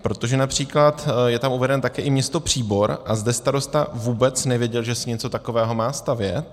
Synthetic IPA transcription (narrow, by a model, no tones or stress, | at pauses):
pɾo̞t̪oʒɛnapr̝̥iːklat̪jɛt̪amuvɛdɛnt̪akɛːʔɪmɲɛst̪o̞pr̝̥iːbo̞ɾʔazdɛst̪aɾo̞st̪avuːbɛt͡snɛvjɛɟɛlʒɛsɪɲɛt͡so̞t̪akovɛːɦo̞maːst̪avjɛ̰t̪